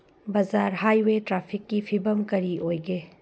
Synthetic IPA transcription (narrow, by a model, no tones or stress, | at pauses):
bɐzaɾɦajwetɾapʰikːipʰibɐmkɐɾiojɡe